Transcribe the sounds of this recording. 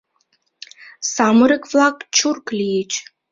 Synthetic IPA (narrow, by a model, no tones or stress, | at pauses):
samɨɾɨkvlˠakt͡ʃʰurklʲijet͡ʃʰʼ